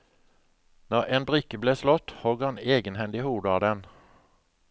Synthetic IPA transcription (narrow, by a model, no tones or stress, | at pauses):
nɔʁʔeːnbʁʏkəbleːslɔt̪hɔɡhɑneːɡənhɛnd̪ɪhuːd̪əɑːd̪ɛn